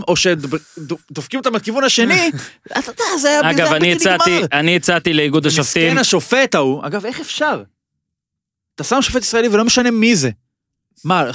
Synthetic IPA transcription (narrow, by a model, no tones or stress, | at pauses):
mo̞ʃe̞dd̪ofkimet̪amekivunaʃe̞nia̰t̪at̪azeajaaɡavaniiaianiit͡sat̪ileiɡud̪aʃaftt̪ienaʃo̞fe̞t̪aua̰ɡave̞χefʃaʁ | t̪asamʃo̞fe̞t̪isʁɐelivelo̞me̞ʃane̞mize̞ | ma